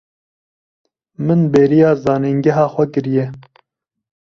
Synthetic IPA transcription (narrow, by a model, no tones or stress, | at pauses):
mɨnbeːɾijɑːzɑːneːnɡɛɦɑːxʷɛkɨɾjɛ